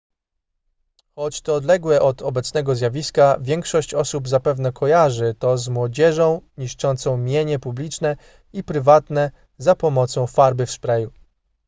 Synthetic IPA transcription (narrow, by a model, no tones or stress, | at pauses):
xɔt͡ɕt̪ɔːd̪lɛɡwɛʔɔd̪ɔbɛt̪snɛɡɔzʲjavʲiskavʲjɛŋkʂɔɕt͡ɕɔsubzapɛvnɛkʰɔjaʐɘt̪ɔzmwɔd͡ʑɛʐɔ̃w̃ɲiʂt͡ʂɔnt̪sɔ̃w̃mʲjeɲɛpublʲit͡ʂnɛ | ipɾɘvat̪nɛ | zapɔmɔt̪sɔ̃w̃faɾbɘfspɾɛju